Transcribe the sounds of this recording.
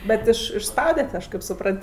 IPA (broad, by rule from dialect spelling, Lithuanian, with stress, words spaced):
ˈbʲɛt ˈɪʃ ɪʃsˈpɐʊdʲɛtʲ ˈɐʃ ˈkɐɪp sʊˈprɐnt